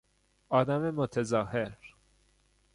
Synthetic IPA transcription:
ʔɒːd̪æmemot̪ʰezɒːheɾ

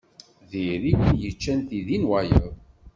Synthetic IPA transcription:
ðiɾikʷːənjət͡ʃːænθiðinwæjəð

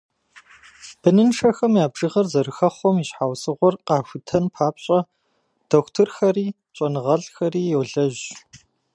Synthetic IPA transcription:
b̥ɨnɨnʂɐxɐmjaːbʐɨʁɐrzɐɾɨxɐχʷɔmiɕħaːwsɨʁʷɔrqɑːxʷʊtʰɐnpʰaːpɕʼɐ | d̥oxʷtʰɨrxɐriː | t͡ʃʼɐnɨʁɐɮxɐriːjɛwɮɐʑ

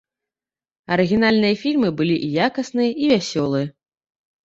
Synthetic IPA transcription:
ɐɾɨɣʲinalʲnɨjɐfʲilʲmɨbɨlʲiʔjakɐsnɨjɐʔivʲasʲɔlˠɨjɐ

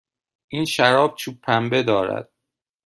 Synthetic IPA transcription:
ʔiːnʃæɾɒːb̚t͡ʃʰuːpʰːæmbe̞d̪ɒːɾæ̰d̪̥̚

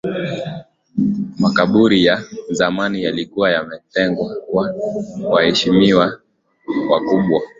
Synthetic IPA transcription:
makaɓuɾijazamanijalikuwajamɛtɛŋɡwawawahɛʃimiwa | wakuɓwa

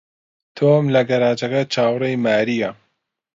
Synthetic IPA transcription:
t̪ʰomlɐɡɐɾaːd͡ʒɐkɐt͡ʃʰaːwrejmaːɾijɐ

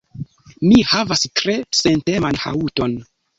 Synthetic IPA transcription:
mihavastɾe̞sente̞manha̰uto̞n

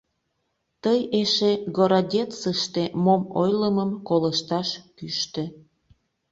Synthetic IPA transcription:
t̪əjeʃeɡoɾodʲett͡səʃt̪emomojləməmkoləʃt̪ɑʃkyʃt̪ĕ

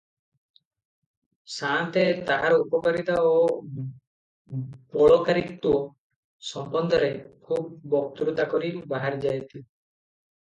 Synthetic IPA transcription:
sant̪et̪aʔa̰ɾɔupɔkaɾit̪ao | bɔɭɔkaɾit̪uɔ | sɔmbɔnd̪ʱɔɾekʰub̚ːɔk̚t̪ɾut̪akɔɾibaɦaɾd͡ʒajt̪i

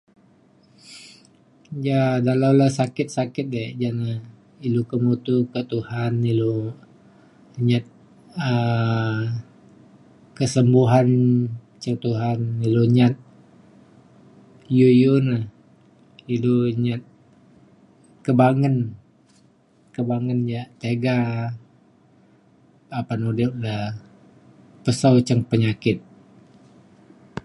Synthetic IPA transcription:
jadalawlasakɪt̪̚sakɪt̪̚ded͡ʒanə | ilukəmut̪ukət̪uhanilo | ɲat̪̚ | ə | kəsəmbuɦan | t͡ʃət̪uɦaniloɲat̪̚ | jujunəh | iluɲat̪̚ | kəbaŋən | kəbaŋənɲaʔt̪eɡa | apanudiʔ̚lə | pəsawt͡ʃəŋpəɲakɪt̪̚

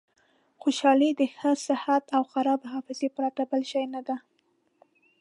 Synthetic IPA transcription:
xoʃɑlid̪əxəsɪhat̪awxaɾɑbɦɑfɪzepəɾaʈ̪abəlʃɑjnad̪a

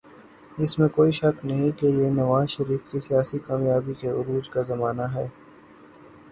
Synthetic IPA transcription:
ɪsmẽkoːiʃɐknɐɦĩkejenɐʋaːzʃɐɾiːfkisijaːsikaːmjaːbikeʊɾuːd͡ʒkazɐmaːnaɦɛː

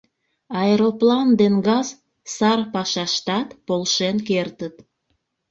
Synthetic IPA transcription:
ɑeɾoplɑnd̪enɡɑz | sɑrpɑʃɑʃt̪ɑt̪polʃenkert̪ət̪

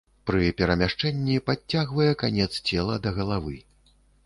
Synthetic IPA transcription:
pɾɨpʲɛɾɐmʲaʂt͡ʂɛnʲːipaːaɣvɐjɛkanʲɛt̪st͡sʲɛlˠɐd̪ɐɣɐlˠavɨ

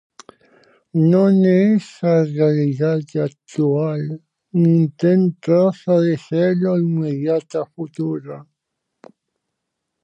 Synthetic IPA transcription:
noneesarealiðaðak̚t̪ual | nint̪ent̪ɾosaðeseloiŋmeðjat̪afut̪uɾa

